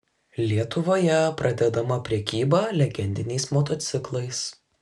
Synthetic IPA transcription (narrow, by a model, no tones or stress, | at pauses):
lʲiɛt̪ʊʋoːjɛpɾɐd̪ʲɛd̪ɐmɐpʲɾʲɛkʲiːbɑːlʲɛɡʲɛnʲd̪ʲɪnʲɛɪsmot̪ot̪sʲɪklˠɐɪs